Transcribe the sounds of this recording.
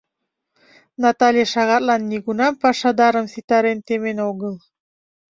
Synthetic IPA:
nɑt̪ɑlʲeʃɑʁɑt̪lˠɑnːiɡunɑmpɑʃɑd̪ɑɾə̆msit̪ɑɾent̪emenoɣɤlˠ

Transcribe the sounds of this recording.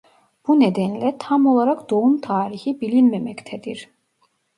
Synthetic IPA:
b̥uned̪ɛnlʲɛt̪ʰamo̞lˠaɾakd̪̥o̞umt̪ʰaːɾiçibilʲilmɛmɛct̪ʰɛd̪iɾ̥

